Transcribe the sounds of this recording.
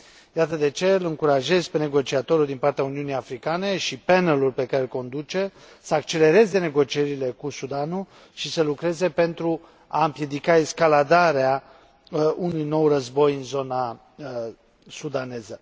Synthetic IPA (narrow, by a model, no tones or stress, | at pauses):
jat̪əd̪e̞t͡ʃe̞lɨŋkuɾaʒe̞zpe̞ne̞ɡo̞t͡ʃiat̪o̞ɾuld̪impart̪eauniunijafɾikane̞ʃipe̞nəlulpe̞kaɾe̞lko̞nd̪ut͡ʃe̞ | səakt͡ʃe̞le̞ɾe̞ze̞ne̞ɡo̞t͡ʃie̞ɾile̞kusud̪anu | ʃisəlukɾe̞ze̞pe̞nt̪ɾu | aɨmpje̞d̪ikaeskalad̪aɾea | unujno̞wrəzbo̞jɨnzo̞na | sud̪ane̞zə